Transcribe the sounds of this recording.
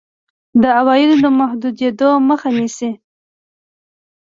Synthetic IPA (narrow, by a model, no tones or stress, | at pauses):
d̪əawɑjɪd̪od̪əmahd̪ud̪ed̪oməxanisi